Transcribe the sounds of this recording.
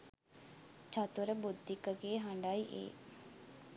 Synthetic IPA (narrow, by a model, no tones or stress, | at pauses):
t͡ʃat̪uɾəbud̪ːikəɡeːɦaɳɖajʔḛː